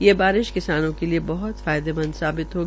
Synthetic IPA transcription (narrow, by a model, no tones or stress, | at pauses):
jeːbaːɾɪʃkɪsaːnõkeliebɐɦʊt̪faːjd̪emɐ̃nd̪saːbɪt̪ɦoːɡ